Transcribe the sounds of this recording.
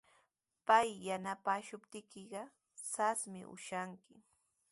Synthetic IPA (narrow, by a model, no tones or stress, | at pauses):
pajːanapaːʃʊpt̪ɪkɪɢɑ | sasmɪ̰ʔʊ̰ʃaŋkɪ